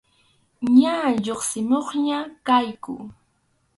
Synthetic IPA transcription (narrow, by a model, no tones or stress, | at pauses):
ɲaʎoχsɪmoχɲakajkʊ̰